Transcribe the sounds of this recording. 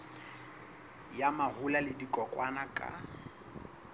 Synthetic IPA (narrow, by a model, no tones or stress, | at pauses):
jamahʊlalɪdikʼɔkʼwanakʼa̰